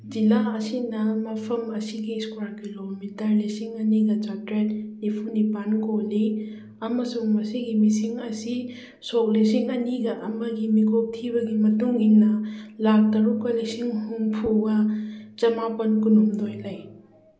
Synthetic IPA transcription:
d͡ʒilaɐsinɐmɐpʰɐmɐsiɡiskwaɾkilomitɐɾlisiŋɐniɡɐd͡ʒatɾet̚nipʰunipanɡoli | ɐmɐsuŋmɐsiɡimisiŋɐsi | sok̚lis̬iŋɐniɡɐʔɐmɐɡimikʰok̚tʰibɐɡimɐtuŋinɐlak̚tɐɾukɐlisiŋhuŋpʰuɡɐt͡ʃɐmapɐnkunumdojlaj

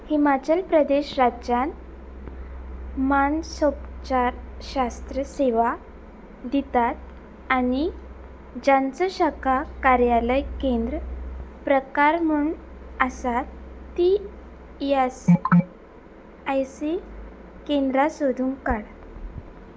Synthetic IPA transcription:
himat͡ɕəlpɾəd̪eɕɾad͡ʑjan | mansop̚t͡ɕaɾɕast̪ɾəseʋa | d̪it̪at̪̚ | añi | d͡ʑãnt͡səɕakakaɾjaləjkend̪ɾəpɾəkaɾmuɳ | əsat̪ːi | jas | ajsi | kend̪ɾasod̪ʱuŋkaɽ

